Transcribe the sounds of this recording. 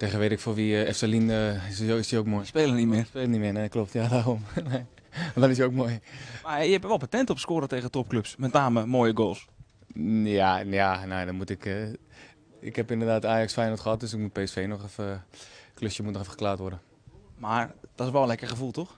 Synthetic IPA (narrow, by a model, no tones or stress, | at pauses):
teɣəʋeːtɪkfoʋiɛfsalinəsoɪsdiowk̚moːjspeːlˠənimɪːrspeːlənimɪːneklop̚tjadaromnedɔnɪs̬jiokmojmajəhɛpəʋɛlˠpatɛntopskoːɾəteːɣətop̚kløpsmɛtnaːməmoːjəɡoːlˠs | janjanojdɔnmutɪkə | ɪkhɛpɪndərdaːtaːjɑksfɛjnotχəhɑt̚døsɪk̚mut̚peːɛsfeːnɔχɛfəkløsjəmutnɔxɛfəχə̥klaːtʋɔrdə | maɹd̥ɔtɪsʋɛlˠənlɛkəχəfulˠtox